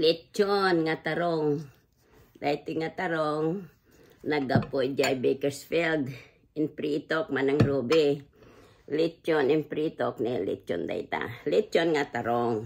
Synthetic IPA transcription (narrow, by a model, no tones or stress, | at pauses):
lɪt͡ʃonŋat̪aɾoŋ | d̪ajt̪ɪŋat̪aɾoŋ | nɐɡapojd͡ʒajbɛkɛsfild̪ | ɪnpɾit̪ok̚manaŋɾubɪ | lit͡ʃonɪnpɾit̪oknɛlɪ̰t͡ʃo̰nd̪a̰jt̪a̰lɪt͡ʃonŋat̪aɾoŋ